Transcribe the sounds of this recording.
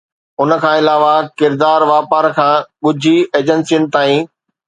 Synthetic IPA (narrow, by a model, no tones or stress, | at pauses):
ʊnəkʰãːɪlaːʋakɪɾd̪aːɾʋaːpaːɾkʰãːɠʊd͡ʑʱieːd͡ʑənsijənɪ̆t̪aːĩː